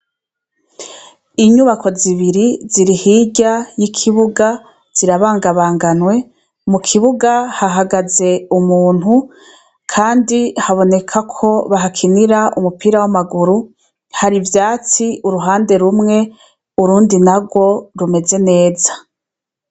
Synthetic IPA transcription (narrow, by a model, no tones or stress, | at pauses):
iɲuβakʰo̞ziβiɾiziɾihiɟajikʰiβuɡa | z̥iɾaβaːŋɡaβaːŋɡanwe̞ | mukʰiβuɡahaɦaɡaze̞umuːn̥hu | kʰaːndihaβo̞ne̞kʰakʰo̞βaɦakʰiniɾaʔumupiːɾawamaɡuɾu | haɾivjaːt͡siuɾuɦaːnde̞ɾumŋe̞ | uɾuːndinaɡwo̞ɾume̞ze̞ne̞ːzḁ